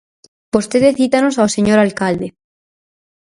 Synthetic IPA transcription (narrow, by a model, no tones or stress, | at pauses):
post̪eðeθit̪anosaoseɲoɾalkald̪e